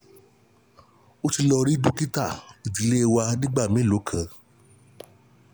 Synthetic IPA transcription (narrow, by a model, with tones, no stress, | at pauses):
o˦ti˧lɔ˧ɾi˦du˦ki˦ta˦˨i˨di˨le˦˧wa˧nĩ˦ɡ͡ba˦˨mĩ˨˦˨lo˨˦kʰã˨˧